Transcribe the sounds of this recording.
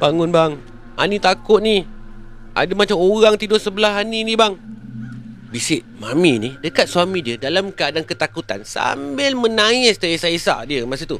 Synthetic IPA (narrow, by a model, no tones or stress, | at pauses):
baŋʊnbaŋ | a̰nĩt̪akʊt̪̚ni | ʔa̰damat͡ʃamoɣaŋt̪idʊsəbəlahaninĩbaŋ | bisɪʔmaminidəkat̪̚swamĩdiədalamkəadankət̪akut̪a̰nsa̰mbɪlmə̃naɪst̪əesaʔesa̰ʔdiəmas̬ut̪u